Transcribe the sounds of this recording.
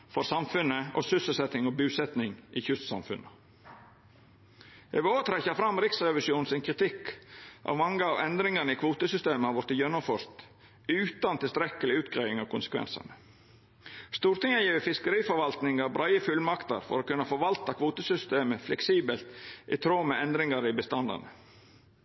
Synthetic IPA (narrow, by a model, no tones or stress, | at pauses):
fɔɾsɑmfʉnəɔ̰sʏsəlsɛt̪ɪŋɔbʉːsɛt̪nɪŋʔɪçʉst̪sɑ̰mfʉ̰nə | ɛ̰ʋɪloːʋət̪ʰɾɛçɑfɾɑmɾɪksɾɛʋɪʃjuːnsɪnkʰɾɪt̪ʰɪkʔɑ̰ʋmɑŋːəɑʋɛnd̪ɾɪŋɑnəɪkʰʋuːt̪əsʏst̪eːməhɑɾʋɔɾt̪ɪjœnːɔfœʂt̪ | ʉːt̪ɑnt̪ɪlst̪ɾɛkːəlɪʉːt̪ɡɾɑɪɪŋɑʋkʰʊnsə̥kʰʋɛ̰nsɑ̰nə | st̪uːɾt̪ɪŋːəjiːʋəfɪskəɾiːfɔɾʋɑlt̪nɪŋɑɾbɾʔɑɪəfʉlmɑkt̪ə̰ɾfɔ̰ɾoːkʉnːəfɔɾʋɑlt̪ɑkʰʋuːt̪əsʏst̪eːməflɛksiːbəlt̪ʔɪt̪ʰɾoːmɛɛnd̪ɾɪŋɑɾɪbəst̪ɑnd̪ɑ̰nə